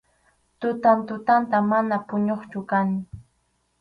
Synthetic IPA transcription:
t̪ʊt̪ant̪ʊt̪ant̪amanapʊɲoχt͡ʃʊkaŋ

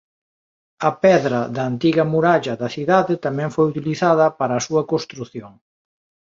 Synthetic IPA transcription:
ɐpɛðɾɐðɐːnt̪iɣɐmuɾaʎɐðɐθiðaðɪt̪amɛ̃ŋfojut̪iliθaðɐpaɾɐːsuɐkost̪ɾuθjoŋ

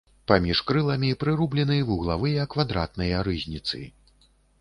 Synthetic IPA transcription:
pamʲiʂkɾɨlˠɐmʲipɾɨɾublʲɛnɨjvuɣlˠavɨjɐkvad̪ɾa̰t̪̚nɐjɐɾɨzʲnʲit̪sɨ̰

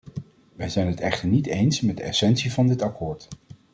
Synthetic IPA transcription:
ʋɛjzɛjnɦətɛχtəɹnitejnsmɛd̚dəɛ̰sɛnsivɑndɪtɑkʰʊːɹt

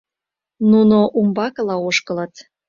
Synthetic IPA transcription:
nunoʔumbɑkɤlɑoʃkə̆lət̪

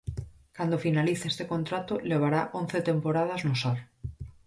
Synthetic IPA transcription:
kand̪ofinaliθaest̪ekont̪ɾat̪oleβ̞aɾaʔõn̟θet̪empoɾað̞aznosaɾ

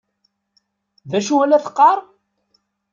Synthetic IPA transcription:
ðæʃuælæθə̥qːɑɾˤ

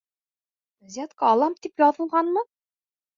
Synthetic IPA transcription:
zʲæt̪kɑːlˠɑmt̪ipjɒðɤ̆lˠʁɑnmɤ

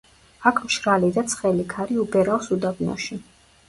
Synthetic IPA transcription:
akʰmʃɾalid̪at̪sʰχɛlikʰaɾiubɛɾalsud̪abnɔ̰ʃi

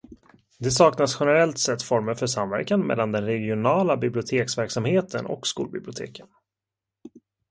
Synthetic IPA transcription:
d̪ɛsɑːknasɧɛnɛɾɛlt̪sɛt̪ːfɔɾməɾfœʂamvæ̰ɾkanmɛ̰lːand̪ɛnɾɛɡɪʊnɑːlabɪblɪʊt̪ʰeːksvæɾksamheːt̪ʰənʔɔ̰kskṵːlbɪblɪʊt̪ʰḛːkʰən

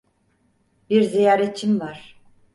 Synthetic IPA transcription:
biɾzijaːɾet͡ʃʰimvaɾ̥

